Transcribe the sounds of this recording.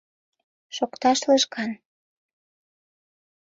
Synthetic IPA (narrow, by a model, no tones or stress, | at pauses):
ʃokt̪ɑʃləʃkɑn